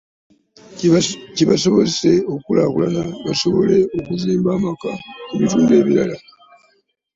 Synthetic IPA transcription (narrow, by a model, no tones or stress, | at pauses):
ciβasoβo̞zese̞o̞kulakulanaβaso̞βo̞le̞okuziːmbaːmakauβituːndeːβiɾala